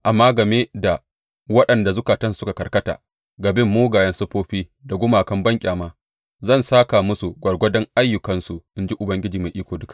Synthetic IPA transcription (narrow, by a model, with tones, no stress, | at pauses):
ʔa˨mːaː˦ɡɐ˨meː˦da˨ | wɐ˦ɗɐ˨nda˨zʊ˦kaː˨tɐ˦nsʊ˦ka˨kɐ˨kɐ˦ta̰ː˨ | ɡɐ˨bɪ˦mːoː˦ɡaː˨jɐ˦nsɐ˦ɸoː˦ɸiː˦da˨ɡʷʊ˦maː˨kɐ˦mbɐ˦ŋkʲʼaː˨maː˦ | zɐ˦˨nsaː˦ka˨mʊ˦su˨ɡʷɐ˨rɡʷɐ˦dɔ˦ŋʔa˦jːʊ˨kɐ˦nsu˨ʔɪ˦nd͡ʒi˦ʔʊ˨bɐ˦ŋɡʲɪ˦d͡ʒiː˨ma˨jʔiː˦kʷoː˨dʊ˦ka˨ʔ